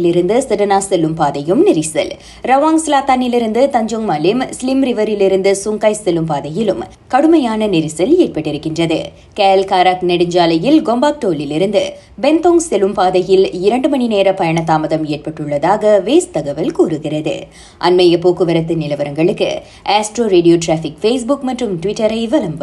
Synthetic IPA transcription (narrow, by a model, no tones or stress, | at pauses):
lɪɾɯnd̪ɯsɪðɐnaːsɛlɯmpaːðɐjɯmnɪɾɪsɐ̰l | ɾɐʋaːŋslaːt̪aːnɪlɪɾɯnd̪ɯt̪ɐɲd͡ʒɔŋmɐlɪmslɪmɾɪʋɐɾɪlɪɾɯnd̪ɯsʊŋkɐɪsɛlɯmpaːðɐjɪlɯm | kɐɽɯmɐjaːnɐnɪɾɪsɐleːʈ̚pɐʈːɪɾɯkːɪndrɐðɯ̰ | keːlkaːɾaːknɪɽɪɲd͡ʒaːlɐjɪlɡɔmbaːk̚ʈoːlɪlɪɾɯnd̪ɯ | bɛnt̪oːŋsɛlɯmpaːðɐjɪlɪɾɐɳɖɯmɐɳineːɾɐpɐjɐɳɐt̪ːaːmɐðɐmeːʈ̚pɐʈːɯɭːɐðaːɣɐʋeːst̪ɐɣɐʋɐlkuːɾɯɣɪrɐðɯ̰ | ʔɐnmɐjɐpoːkɯʋɐɾɐt̪ːɯnɪlɐʋɐɾɐŋɡɐɭɯkːɯ̰ | ʔaːsʈɾoːɾeːɖijoːʈɾaːfɪkfeːs̬bʊkmɐʈrɯmʈʋɪʈːɐɾɐɪʋɐlɐmbɯ